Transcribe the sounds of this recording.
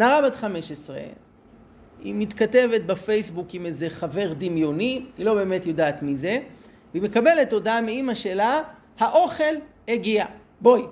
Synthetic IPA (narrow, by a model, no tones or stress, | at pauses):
naʁabad̪χameʃesʁe̞̰ | ḭmit̪kate̞ve̞t̪̚bafe̞jsbukimejze̞χave̞ʁd̪imjo̞niilo̞be̞ːme̞t̪jo̞daːt̪mize̞ | veime̞kabe̞le̞to̞dameimaʃela | haʔo̞χe̞l | eɡia | bo̞j